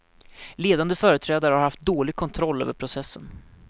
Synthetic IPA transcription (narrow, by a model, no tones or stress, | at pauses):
leːd̪and̪əfœːɾət̪ʰɾɛːd̪aɾəhaɾhaft̪̚d̪oːlɪɡ̚kʰɔnt̪ʰɾɔlːø̰ːvəɾpʰɾʊsɛsːən